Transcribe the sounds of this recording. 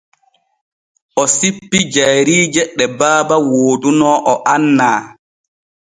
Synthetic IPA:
ʔɔsipːid͡ʒajɾiːd͡ʒɛɗːɛbaːbawoːdunɔʔɔʔanːaː

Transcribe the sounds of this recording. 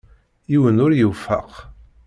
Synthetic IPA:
jiwənʊɾjəfə̰q

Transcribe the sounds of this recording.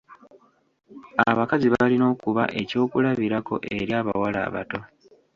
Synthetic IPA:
a̰βakaziβalino̞ːkuβa̰ʔe̞co̞ːkulaβiɾako̞̰ʔe̞ɾjaːβa̰wala̰ːβa̰to̞

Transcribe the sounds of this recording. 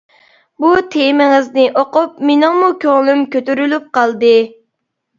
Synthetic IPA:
but̪ʰemɪŋɪznɪʔoqʊp̚menɪŋmukʲʰøŋlˠymkʲøt̪yɾylyp̚qʰɑlˠd̪ɨ

